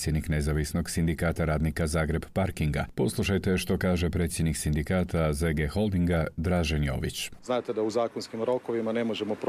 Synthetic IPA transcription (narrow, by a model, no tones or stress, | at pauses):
t̪sjed̪nikne̞zaʋisno̞ɡsind̪ikaːt̪aɾaːd̪nikazaːɡɾe̞bpaɾkiŋɡa̰po̞slˠuʃajt̪e̞ʃt̪o̞kaːʒe̞pɾe̞t̪sjed̪niksind̪ikaːt̪ʰazeɡexo̞lˠd̪iŋɡad̪ɾaːʒenjo̞̰ːʋḭt͡ɕznaːt̪ed̪auzaːkonskimɾo̞koʋimane̞mo̞ʒemop